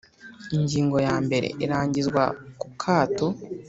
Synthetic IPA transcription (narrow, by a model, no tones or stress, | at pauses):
iɲɟiːŋɡo̞jaːmbe̞ɾḛʔiɾaːɲɟizɡwa̰kukʰaːto